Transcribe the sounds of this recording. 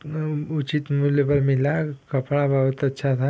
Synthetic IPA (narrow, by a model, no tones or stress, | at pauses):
ut͡ʃit̪mulepəɾmilakəpɽabaʋət̪ətːʃʰat̪ʰa